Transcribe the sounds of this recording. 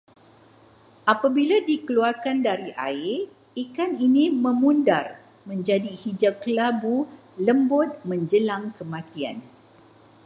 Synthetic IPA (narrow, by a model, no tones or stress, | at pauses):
ʔapabiladikəluarkandaɾiʔa̰ɪ | ikaninĩmə̃mundar | mə̃ɲd͡ʒadihid͡ʒakəlabu | ləmbʊt̪̚mə̃ɲd͡ʒəlaŋkəmãt̪ia̰n